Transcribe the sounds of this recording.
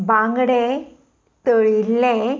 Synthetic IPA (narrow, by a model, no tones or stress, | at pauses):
bãŋɡɽe | t̪əɭilːe